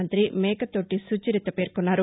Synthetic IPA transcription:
ɐnt̪ɾimɛːkɐt̪o̞ːʈisut͡ʃiɾit̪ːɐpeːɾkunːaːɾu

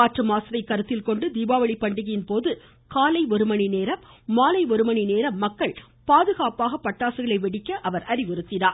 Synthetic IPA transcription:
aːʈrɯmaːsɐɾɐɪkːɐɾɯt̪ːɪlkɔɳɖɯd̪iːbaːʋɐɭɪpːɐɳɖɪɣɐjɪnpoːðɯ | kaːlɐɪɔɾɯmɐɳineːɾɐmːaːlɐɪɔɾɯmɐɳineːɾɐmːɐkːɐɭ | paːðɯɣaːpaːɣɐpːɐʈːaːsɯɣɐɭɐɪʋɛɽɪkːɐʔɐʋɐɾɐɾɪʋɪɾɯt̪ːɪnaː

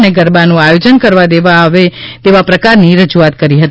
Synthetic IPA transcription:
neɡəɾbanũajod͡ʒənkəɾʋad̪eʋaʋet̪eʋapɾəkaɾniɾəd͡ʒuat̪̚kəɾiɦət̪

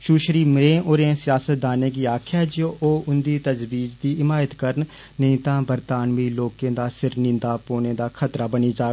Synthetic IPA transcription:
ʃuːʃɾiːmɾẽːʔoːɾẽːsɪjaːsət̪̚d̪aːnẽːɡiːaːkʰjaːd͡ʒoːʔoːʊnd̪iːt̪əzbiːd͡ʒd̪iːɪmaːjət̪kəɾn | nĩːt̪ãːbəɾt̪aːnʋiːloːkẽːd̪aːsɪɾnɪ̃nd̪aːpoːnẽːd̪aːkʰət̪ɾaːbəniːd͡ʒaː

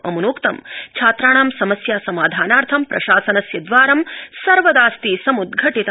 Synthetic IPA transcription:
ɐ̰munoːkt̪ɐmt͡ʃʰaːt̪ɾaːɳaːmsɐmɐsjaːsɐmaːd̪ʱaːnaːɾt̪ʰɐmpɾɐʃaːsɐnɐsjɐd̪ʋaːɾɐmsɐɾʋɐd̪aːst̪isɐmud̪ɡʱɐʈit̪ɐ

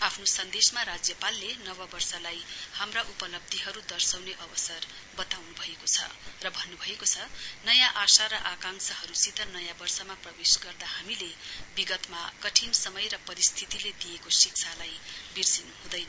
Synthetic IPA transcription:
apʰnosʌnd̪esmaɾad͡zjʌpalːenʌβʌbʌrsalajhamraʔupʌlʌb̚d̪ʱiɦʌɾud̪ʌrsawneʔʌbʌsʌr | bʌt̪awnubʱʌekot͡sʰʌ̰rʌbʱʌnːubʱʌekot͡sʰʌnʌjãʔasaɾʌʔakaŋsʰʌhʌɾusit̪ʌnʌjãbʌrsʌmaprʌbesɡʌrd̪ahamilebiɡʌt̪makʌʈʰinsʌmʌjrʌpʌɾist̪ʰit̪iled̪ijekosik̚t͡sʰalajbird͡zinuɦũd̪ʌjnʌ

